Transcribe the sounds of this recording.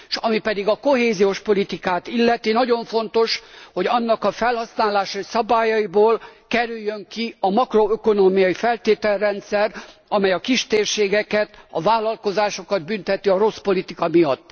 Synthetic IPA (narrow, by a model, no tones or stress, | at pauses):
ʃɒmipɛd̪iɡɒko̞ɦeːzijoʃpo̞lit̪ikaːt̪ilːɛt̪inɒɟo̞ɱfo̞nt̪o̞ʃho̞ɟɒnːɒkɒfɛlhɒsnaːlaːʃɒisɒbaːjɒiboːlkɛɾyjːøŋkiɒmɒkro̞øko̞noːmijɒjifɛlt̪eːt̪ɛlrɛnt̪sɛrɒmɛjɒkiʃt̪eːrʃeːɡɛkɛt̪ɒvaːlɒlko̞zaːʃo̞kɒd̪̚bynt̪ɛt̪iɒɾo̞spo̞lit̪ikɒmijɒt̪ː